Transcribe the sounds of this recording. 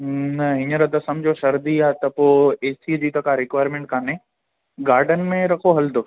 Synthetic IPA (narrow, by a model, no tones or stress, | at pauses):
nɐɦɪɲəɾɐd̪ɐsɐmd͡ʑoʃɐɾd̪iaːt̪ɐpoːeːsid͡ʑiːt̪ɐkaɾɪkʋaːɾmẽːɳʈ̚kʰãːnẽː | ɡaːɾɖən̆mẽɾɐkʰoɦɐld̪oː